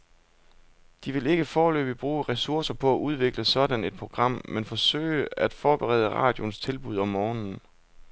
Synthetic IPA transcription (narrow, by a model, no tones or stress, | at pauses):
d̥iʋe̝le̝ɡ̥əfɒːlø̰ːb̥ib̥ʁuːʁɛsuɐsɐpʰɒ̽æʔuð̞ˠʋe̝ɡ̥ləsɒ̽d̥æne̝d̥̚pʰʁo̝ɡ̥ʁɑ̈m̰menfɒ̽sø̰ːɪəæd̥fɒːb̥eʁɛ̰ːðˠəʁɑ̰̈ːd̥jo̝nst͡sʰe̝lb̥uð̞̰ˠɒ̽mːɒːnn̩